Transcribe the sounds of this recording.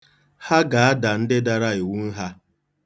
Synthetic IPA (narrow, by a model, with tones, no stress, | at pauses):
ha˦ɡa˨a˦da˨n̩˦dɪ˦da˨ɾa˦ɪ˨wu˦n̩˦ɦa˦